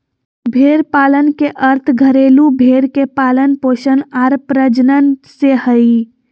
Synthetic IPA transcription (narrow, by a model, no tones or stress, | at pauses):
bʱeɾpalənkeʔəɾt̪ʰɡʱəɾelubʱeɾkepaːlənpoʃənaɾpɾəd͡ʒnənsehəi